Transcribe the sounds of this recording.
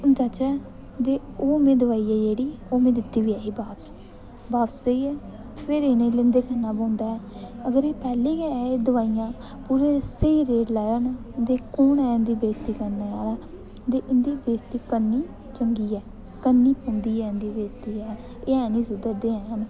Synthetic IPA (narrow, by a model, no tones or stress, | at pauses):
d͡ʒaːt͡ʃɛː | t̪eː | oːmẽːd̪əʋaːiːɛːd͡ʒeːɽiːoːmẽːd̪ɪt̪ːiːʋiːɛːiːbaːps | baːpseiːɛː | t̪pʰeɾenẽːlẽnd̪eːkʰənːãːbãːnd̪aːɛːəɡəɾeːpɛːlẽːɛːed̪əʋaːiːjãː | puːɾẽːsẽːɾeːɖlɛːənd̪eːkoːɳɛːnd̪iːbeːst̪iːkəɾnaːaːlɛː | t̪eːʔɪnd̪iːbeːst̪iːkənːiː | t͡ʃəŋɡiːɛː | kənːiːpõnd̪iːɛːnd̪iːbeːst̪iːɛː | eːɛːniːsʊd̪əɾd̪eːɛːən